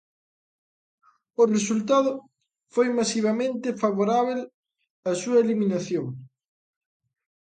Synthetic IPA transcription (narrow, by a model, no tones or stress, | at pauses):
ʊresult̪aðʊ | fojmasiβ̞amẽnt̪ɪfaβoɾaβ̞el | ɐsuɐeliminaθjoŋ